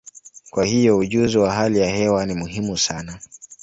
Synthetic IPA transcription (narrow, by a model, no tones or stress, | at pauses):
kwahijɔuʄuziwaɦalijahɛwanimuɦimusana